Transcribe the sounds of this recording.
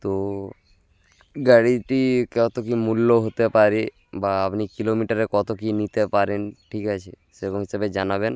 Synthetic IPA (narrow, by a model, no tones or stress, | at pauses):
t̪o | ɡaɽiʈikɔt̪okimulːoɦot̪epaɾi | baapnikilomiʈaɾekɔt̪okinit̪epaɾenʈʰikat͡ɕʰe | sekoɦisabed͡ʑanaben